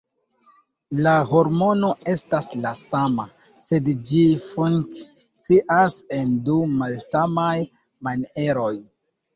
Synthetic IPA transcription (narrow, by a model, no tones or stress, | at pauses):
laho̞ɾmo̞no̞e̞staslasama | se̞dd͡ʒifuŋ | t͡siʔase̞ndumalsamaj | mane̞ɾo̞j